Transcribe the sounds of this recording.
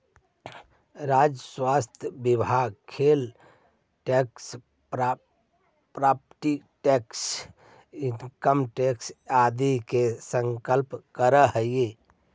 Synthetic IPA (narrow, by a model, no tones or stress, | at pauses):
ɾad͡ʒəswast̪ʰjəbibʱaɡ̚kʰel | ʈeks | ɾ | pɾapʈiʈɛks | inkəmʈeksad̪ikesəŋkəlpkəɾəɦəje